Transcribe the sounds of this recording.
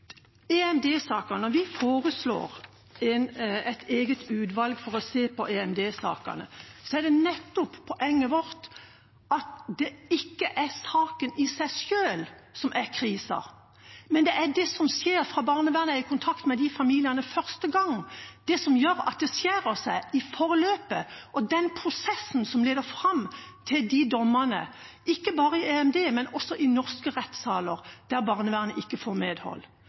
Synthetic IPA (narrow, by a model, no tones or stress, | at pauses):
ɛɛmd̪eːsɑːkənnɔʋɪfoːɾəslo̰ːɾ | ɛnɛɪt̪ʰeːɡət̪ʉːd̪ʋɑlɡfɔɾɔseːpɔʔeɛmd̪eːsɑ̰ːkə̰nə̰sɔæɖɛnɛt̪ːʊppʰːɔʔɛŋːəʋɔɾt̪ | ɑt̪d̪ɛɪkːəʔæɾsɑːkənɪsæɪʂøːlsɔmʔæɾkʰɾiːsɑ̰ | mɛnd̪ɛʔæɖ̪ɛsɔmsjeːɾfʁɑːbɑːʁnəʋæʁnəɪkʰʊnt̪ʰɑkt̪mɛd̪ɪfɑmiːlɪənəfœʁst̪əɡɑŋd̪̥ɛsɔmjøːɾɑ̰t̪̚d̪ɛsjæɾəsæɪɪfɔʁløːpəʔɔd̪ɛnpʰɾʊsɛsn̩sɔmleːd̪əɾfʁɑmt̪ʰɪld̪ɪd̪ɔmənə̰ | ɪkːəbɑːʁəɪeɛmd̪eːmɛnʔɔsːɔʔɪnɔʁskəʁɛt̪sɑːləɾd̪̥æʁbɑːʁnəʋæːʁnəʔɪkːəfoːʁmeːd̪hɔ̰lː